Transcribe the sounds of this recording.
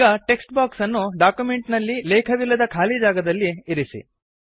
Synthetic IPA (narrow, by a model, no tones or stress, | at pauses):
ɡɐʈe̞ksʈbaːksɐnːuɖaːkjume̞ɳʈnɐlːilɛːkʰɐʋilːɐd̪ɐkʰaːlid͡ʒaːɡɐd̪ɐlːieɾisḭ